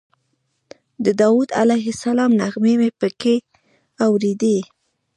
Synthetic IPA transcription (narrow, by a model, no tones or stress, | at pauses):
d̪əd̪ɑwud̪a̰lajɦɪsalɑmnaɣmemepəke | awɾed̪e